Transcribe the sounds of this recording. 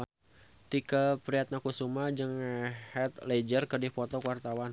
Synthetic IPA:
t̪ikəpɾiat̪̚nakusumad͡ʒɨŋhɛt̪led͡ʒərkərdipɔt̪ɔkuwart̪awan

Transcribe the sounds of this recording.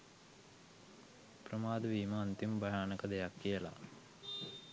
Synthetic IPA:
prəmaːd̪əʋiːməːnt̪imbɐɦaːnəkəd̪ejakːijəla̰

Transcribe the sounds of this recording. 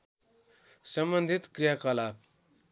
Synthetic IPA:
səmbənd̪ʱit̪kɾijakalap

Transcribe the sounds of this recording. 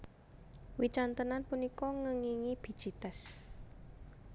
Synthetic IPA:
wit͡ʃant̪ənanpunikɔŋəŋiŋib̥i̤̥ʒ̥i̤t̪ɛs

